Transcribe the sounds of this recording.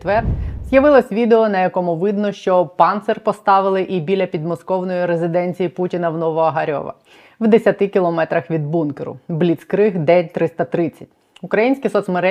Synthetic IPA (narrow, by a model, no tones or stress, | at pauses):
t̪ʋɛrz̥ʲjɐʋɪlˠɔsʲʋʲid̪eɔnɐjɐkɔmʊʋɪd̪nɔʃt͡ʃɔpɑnt̪sɛrpɔst̪ɑʋɪlˠɪʔibʲilʲɐpʲid̪mɔskɔwnɔjiɾezɪd̪ɛnʲt͡sʲijiputʲinɐwnɔʋɔɐɦɐɾʲɔ̰ʋɐ̰ | wd̪esʲɐt̪ɪkʲilˠɔmɛt̪ɾɐxʋʲid̪̚bunkeɾʊ̰blʲit̪skɾɪɦd̪ɛt̪ɾɪst̪ɐt̪ɾɪt͡sʲːɐ̥tʲ | ukɾɐjinʲsʲkʲisɔt̪smeɾɛ